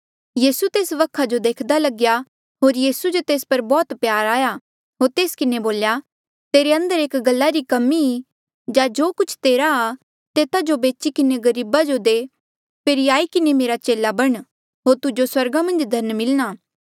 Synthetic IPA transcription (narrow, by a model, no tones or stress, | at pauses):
jiːsut̪eːsʋɐkʰːad͡ʒod̪eːkʰd̪alɐɡja | ɦoːɾjiːsud͡ʒot̪eːspɐɾbɔːt̪pjaːɾaːja | ɦoːɾt̪eːskɪneboːlja | t̪eːɾeɐ̃nd̪əɾeːkɡɐlːaɾikɐmːii | d͡ʒad͡ʒoːkʊt͡ʃʰt̪eːɾaː | t̪eːt̪ad͡ʒobeːt͡ʃikɪneɡɐɾiːbad͡ʒod̪eː | peːɾiaːikɪnemeːɾat͡ʃeːlabɐɽ̃ | ɦoːɾt̪ʊd͡ʒoswɐɾɡamɐ̃nd͡ʒd̪ʱɐɾnmɪlɽ̃aː